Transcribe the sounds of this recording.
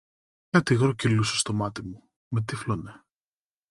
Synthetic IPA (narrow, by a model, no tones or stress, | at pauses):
ɐt̪iɣɾocilusɐst̪o̞mɐt̪imu | met̪iflone